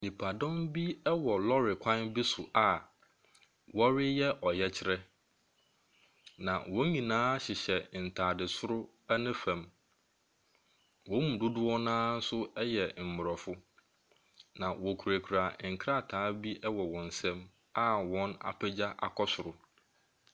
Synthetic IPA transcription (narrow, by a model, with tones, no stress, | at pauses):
nĩ˨pʰa˨dɔ̃˦mbi˦ɛ˦wɔ˨lɔ˦ɾɪ˨kʷʰã˦nbi˦sʊ˨ʔa˨ | wɔ˦ɾɪ˦jɛ˦ʔɔ˨jɛ˦t͡ɕʰɪ˦ɾɛ˦ | nã˨wɔ̃˨˦ɲĩ˨nãː˦ɕɪ˨ɕɛ˨n̩˨tʰaː˨dɪ˨sʊ˦ɾʊ˦ | ɛ˦nʊ̃˦fɛ̃˨m | wɔ̃˨˦mũ˨dʊ˦dʊ˦ɔ˦nãː˦n̩˦sʊ˦ɛ˦jɛ˨m̩˨mʊ˨ɾɔ˨fʊ˦ | nã˨wɔ˨kʰu˨ɾæ˨kʰɾa˨ŋ̩˨kʰɾa˦˨tʰaː˨˦bi˦ʔɛ˦wɔ˨wɔ̃˨n̩˨sɛ̃˦m | a˦wɔ̃˦na̰˨pʰɛ˦d͡ʑa˦ʔa̰˨kʰɔ˦sʊ˨ɾʊ˨